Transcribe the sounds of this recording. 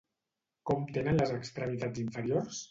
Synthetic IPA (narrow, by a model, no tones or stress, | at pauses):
kɔmt̪enənləzəkst̪ɾəmit̪ad͡ziɱfəɾiors